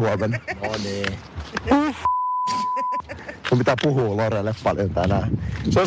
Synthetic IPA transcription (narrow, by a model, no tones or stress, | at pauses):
uomennoniː | uf | kummit̪æpuɦuːloɾelːeppɑljont̪ænæso